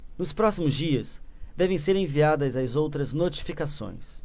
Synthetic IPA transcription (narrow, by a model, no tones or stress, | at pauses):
nʊspɾɔsimʊzd͡ʒiɐsd̪ɛvẽj̃s̬eɾẽviad̪ɐzɐzowt̪ɾɐznot͡ʃi̥fikasõ̰j̃s